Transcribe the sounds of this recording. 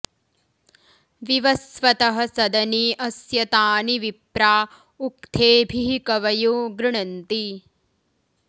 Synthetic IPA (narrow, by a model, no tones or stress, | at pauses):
ʋiʋɐsʋɐt̪ɐɦɐ̆sɐd̪ɐniːʔɐsjɐt̪aːniʋipɾaː | uk̚t̪ʰeːbʱiɦikɐʋɐjuːɡɾɪɳɐnt̪i